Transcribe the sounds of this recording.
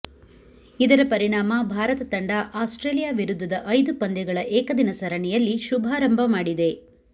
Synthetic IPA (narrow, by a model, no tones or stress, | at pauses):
id̪ɐɾɐpɐɾiɳaːmɐbʱaːɾɐt̪ɐt̪ɐɳɖɐʔaːsʈɾeːlijaːʋiɾud̪ʱːɐd̪ɐʔɐjd̪upɐnd̪ɛɡɐɭɐʔɛːkɐd̪inɐsɐɾɐɳɛjɐlːiʃubʱaːɾɐmbʱɐmaːɽid̪e̞